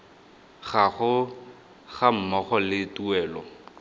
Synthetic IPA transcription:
ɣaχʊ | ɣam̩mɔχɔlɪtuɛːlɔ̰

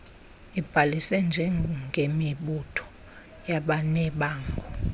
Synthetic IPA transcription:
ib̥ʱalisɛnd͡ʒʱɛŋʱemiɓutʰɔ̥ | jaɓanɛɓaːŋɡʱɔ

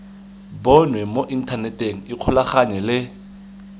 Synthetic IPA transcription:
bɔnwɛmoʔin̩tʰanɛtʼeŋ̩ɪq͡χʰʊlaχaɲɛlɪ

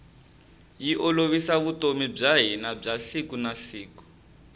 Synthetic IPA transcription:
jiʔɔloβisaβutomib͡ʐaɦinab͡ʐasikunasiːku̥

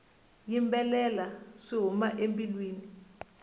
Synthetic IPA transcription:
jimbɛlɛlasiɦumaʔempʼilwiːni

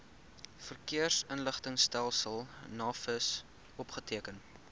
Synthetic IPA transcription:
fərkiərsənləχtəŋstælˠsəlˠnɑːfəs | ɔpχətiəkən

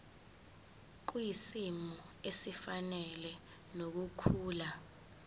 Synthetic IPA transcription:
k̬uisimɔɔesifanɛlɛ | nok̬ukʰuːla

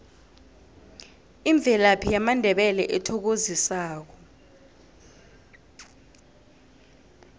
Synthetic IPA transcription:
iɱb̪vʱɛlapʰijamandʱɛɓɛlɛʔɛtʰɔk̬ozisaːk̬ɔ

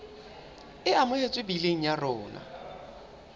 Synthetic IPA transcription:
ɪamʊet͡sʼwɪbileŋ̩jarɔːna̰

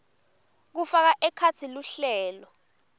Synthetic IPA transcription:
k̬ufak̬aʔɛkʰat͡sʰiluɬɛːlɔ

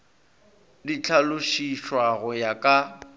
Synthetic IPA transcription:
dit͡ɬʰalʊʃiʃwaɣʊjakʼa

